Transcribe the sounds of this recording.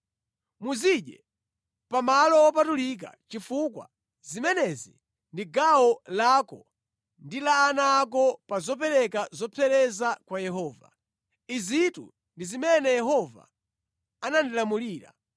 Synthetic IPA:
muziɗɛ | pamalɔwɔpatulik̬a̰t͡ʃifukwa̰ | zimɛnɛzi | ndiɡawɔlakɔ | ndilaːnaːk̬ɔpazɔpɛɾɛkazɔpʰɛɾɛzakwajɛɦɔːva̰ | izitṵ | ndizimɛnɛjɛɦɔva̰ | anandilamuliːɾa̰

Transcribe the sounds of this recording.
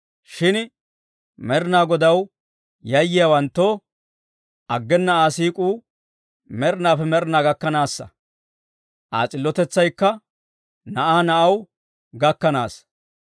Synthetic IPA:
ʃɪn | mɛɾnaːɡɔd̪ɐw | jɐjːɪjawɐnt̪ːoː | ʔɐɡːɛnːɐaːsiːkʼuː | mɛɾnaːfɛmɛɾnaːɡɐkːɐnaːsːɐ̰ | ʔa̰ːt͡sʼɪlːɔt̪ɛt͡sːɐjkːɐ | nɐʔaːnɐʔɐw | ɡɐkːɐna̰ːs

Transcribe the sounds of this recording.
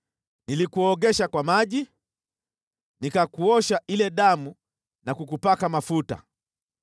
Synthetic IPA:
nilikuɔɠɛʃakwamaʄi | nikakuɔʃaʔilɛɗamu | nakukupakamafuta̰

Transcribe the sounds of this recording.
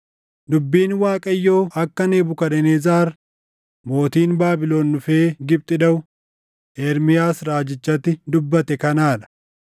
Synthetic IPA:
d̪ʊbːiːnwaːkʼɐjːo̞ːʔɐkːɐneːbʊkɐᶑɛneːzaːɾ | mo̞ːt̪iːnbaːbɪloːnːʊfeːɡɪb̚t̪ʼɪᶑɐʊ | ʔeːɾmɪjaːsɾaːd͡ʒɪt͡ʃːɐt̪ːɪd̪ʊbːɐt̪ɛkɐnaːᶑɐ̥

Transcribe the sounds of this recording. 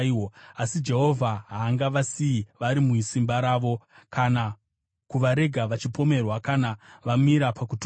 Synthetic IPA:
oasid͡ʒe̞ɦo̞vʱaɦaːŋɡaʋasiiʋaɾimuisimbaɾaːʋo̞ | kʰana | kuʋaɾe̞ɡʱaʋat͡ʃipo̞me̞rwakanaʋamiɾapakut

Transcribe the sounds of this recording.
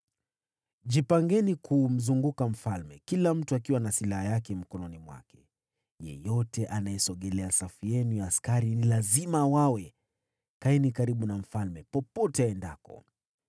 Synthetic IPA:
ʄipaŋɡɛnikʰum̩zuŋɡukam̩falmɛkilam̩tuakiwanasilahajakɛm̩kɔnɔnimwa̰kɛ | jɛ̰jɔtɛʔanajɛsɔɠɛlɛasafiɛnujaːskaɾinilazimawawɛ | kainikaɾiɓunam̩falmɛpɔpɔtɛaɛndakɔ̰

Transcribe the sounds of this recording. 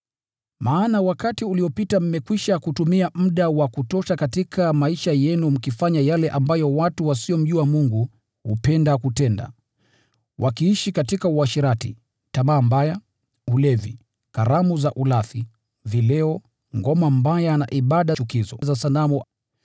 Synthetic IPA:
maːnawakatiuliɔpitam̩mɛkwiʃakutumiam̩ɗawakutɔʃakatikʰamaiʃajɛnum̩kifaɲajalɛʔambajɔwatuwasiɔm̩ʄuamuŋɡu | hupɛndakutɛnda̰ | wʔakiiʃikatikauaʃiɾatḭ | taɓaːmbaja | ulɛvḭ | kaɾamuzaʔulaθi | vilɛɔ | ŋɡɔmambajana̰ʔiɓaɗat͡ʃukizɔzasalamu

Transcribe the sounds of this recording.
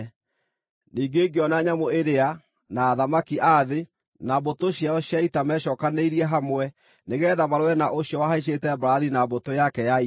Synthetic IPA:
niːɡeːɡeɔnaɲamoeɾea | naːðamakiʔaðe | nabotoɕjaɔɕjaitamɛʃɔːkaneiɾiɛɦamwɛ | neɣɛːðamaɾoɾɛnaʔoɕjɔwaɦaiʃ̬etɛbɾaðinabotojakɛjai

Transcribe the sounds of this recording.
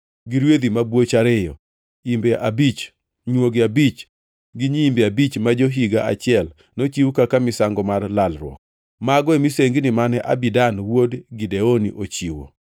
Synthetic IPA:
ɡɪɾwed̪imabwot͡ʃaɾɪjɔ | imbɛʔabit͡ʃ | ɲwoɡeabit͡ʃ | ɡɪɲiimbɛabit͡ʃmad͡ʒoɦiɡaa̰t͡ʃɪɛl | not͡ʃiwkakamɪsaŋɡɔmarlalɾwɔ̰k̚ | maɡɔemiseŋɡnɪmanɛʔa̰bidanwodɡideonḭʔot͡ʃiwo̰

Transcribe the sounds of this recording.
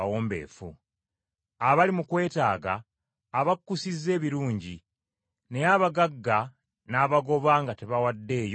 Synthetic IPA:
awoːmbe̞̰ːfṵ | aβalimukwe̞ːtaːɡa̰ː | βakːusizːe̞ːβiɾuːɲɟi | ne̞jaβaɡaɡːa | naːβaɡo̞βaːŋɡate̞βawadːe̞ːjo

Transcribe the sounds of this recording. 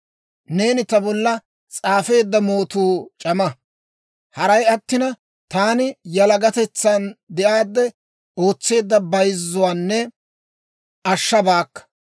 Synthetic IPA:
ne̞ːnɪt̪ɐbɔlːɐ | t͡sʼaːfe̞ːd̪ːɐmo̞ːt̪uːt͡ʃʼɐmɐ | hɐɾɐjɐt̪ːɪnɐ | t̪aːnɪjɐlɐɡɐt̪ɛt͡sːɐnd̪ɛʔaːd̪ːɛ | o̞ːt͡sːe̞ːd̪ːɐbɐjzːʊwaːnːɛ | ɐʃːɐbaːkːɐ̥

